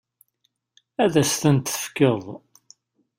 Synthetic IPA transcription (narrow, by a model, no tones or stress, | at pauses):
æðæst̪ənt̪θə̥fkːəðˤ